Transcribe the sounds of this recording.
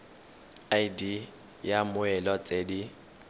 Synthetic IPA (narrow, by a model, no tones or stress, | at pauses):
aidi | jamʊɛlɔt͡sʼedi